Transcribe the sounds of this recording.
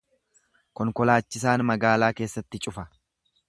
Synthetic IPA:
kɔŋkɔlaːt͡ʃːɪs̬aːnmɐɡaːlaːke̞ːsːɐt̪ːɪt͡ʃʼʊfɐ

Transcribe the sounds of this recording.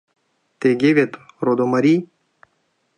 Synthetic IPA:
t̪eɡʲeʋʲet̪rod̪omɐɾʲi

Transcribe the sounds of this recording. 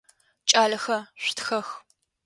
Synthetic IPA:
t͡ʃʼaːlɐxɐɕʷtxɐx

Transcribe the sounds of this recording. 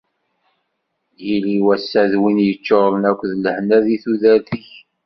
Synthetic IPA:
jiliwæsːæðwinjət͡ʃːoɾənækʷːðləhnæðiθuðæɾθiç

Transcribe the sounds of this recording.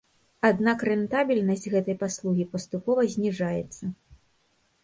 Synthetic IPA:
ad̪nakrɛnt̪abʲilʲnɐsʲtʲɣɛt̪ɐjpaslˠuɣʲipɐst̪upɔvɐzʲnʲiʐajɛt̪sːɐ

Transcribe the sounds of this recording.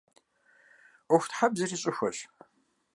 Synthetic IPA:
ʊxʷtħabzɐriɕʼɪxʷɐɕ

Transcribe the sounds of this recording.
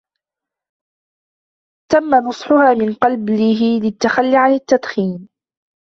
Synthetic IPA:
t̪amːanʊsˤħʊhaːmɪnqɑlblɪɦɪlɪt̪ːaxalːiʕanɪt̪ːad̪xiːn

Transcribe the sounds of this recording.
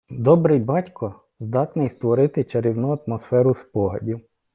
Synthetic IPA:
d̪ɔbɾɪjbɑtʲkɔ | zd̪ɑt̪nɪjst̪ʋɔɾɪt̪ɪt͡ʃɐɾʲiwnuɐt̪mɔsfɛɾʊspɔɦɐ̰dʲiw

